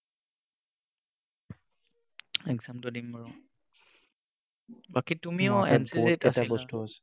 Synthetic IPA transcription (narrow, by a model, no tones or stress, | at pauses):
ɛɡzamtɔdimpaɹɔ | bakitumiɔɛ̰nspoeɛstabɔstuasɛ̥